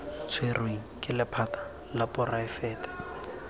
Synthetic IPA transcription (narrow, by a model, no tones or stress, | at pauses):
t͡sʰwerweŋ̩kʼɪlɪpʰatḁ | lapʊraɪfɛːtɛ̥